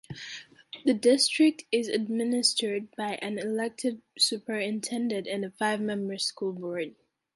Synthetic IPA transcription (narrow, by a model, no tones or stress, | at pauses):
ðɨdɪstɹ̥ɪk̚tʰɪzɨd̚mɪnɨstʰə˞d̚baɪʔɨ̃nɪlɛk̚tʰɨdsʉpʰə˞ɨ̃ntʰɛ̃ndɨ̃ntɨ̃nɨfaɪvmɛ̃mbə̥˞skulˠbɔɹd̥̚